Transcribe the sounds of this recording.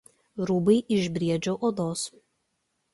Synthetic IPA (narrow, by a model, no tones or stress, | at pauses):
ɾuːbɐɪʔɪʒʲbʲɾʲiɛd͡ʒʲoːʔoːd̪oːs